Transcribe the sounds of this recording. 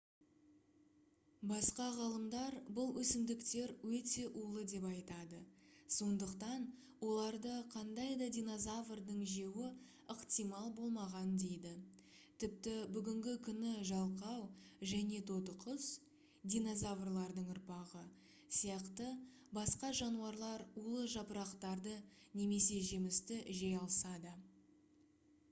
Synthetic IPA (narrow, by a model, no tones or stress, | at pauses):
bɑsqɑʁɑlˠəmd̪ɑɾbʊlˠwɵsɪmd̪ɪkt̪e̞ɾwɵt̪e̞ʔulˠəd̪e̞pɑjt̪ɑd̪əso̞nd̪əqt̪ɑn | wo̞lˠɑɾd̪əqʰɑnd̪ɑjd̪ɑd̪ʲijno̞zavrd̪əɴʒe̞wɪ | əqt̪ijmɑlˠbo̞lˠmɑʁɑnd̪e̞jd̪ɪ | t̪ʰɪp̚t̪ɪbʏɡʲɪŋɡʲɪkʲʰʏnɪʒɑlˠqɑwʒæne̞t̪ʰo̞t̪əqʰəs | d̪ʲijno̞zavrlˠɑɾd̪əɴʊɾpɑʁə | sijɑqt̪ə | bɑsqɑʒɑnuɑɾlˠɑɾulˠəʒɑpəɾɑqt̪ɑɾd̪əne̞me̞se̞ʒemɪst̪ɪʒejɑlˠəsɑd̪ə